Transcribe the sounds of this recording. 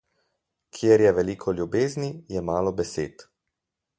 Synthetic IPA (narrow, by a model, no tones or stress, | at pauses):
kʰjeɾjɛʋɛliːkʰɔlʲjubeːznijɛmaːlɔbɛsḛːt̪